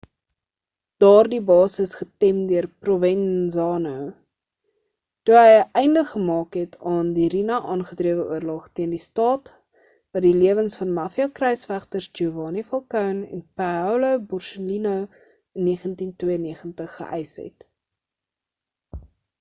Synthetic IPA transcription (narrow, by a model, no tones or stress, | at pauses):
d̥ɑːrdibɑːsəsχətɛmdøərprovɛnzɑːnəw | tuɦəjəʔɛjndəχχəmɑːkɦɛtʰɑːndiɾinɐʔɑːnχətriəvəʔuərlɔχtiəndistɑːt | vɐdiliəvənsfɐnmɐfiɐkrɛjsfæχtərsd͡ʒuvɑːnifɐlˠkœwnɛ̰npæwləbɔrsəlinəw | ənːiəχəntintwiəəniəχəntəχːə̰ʔɛjsɦɛ̰t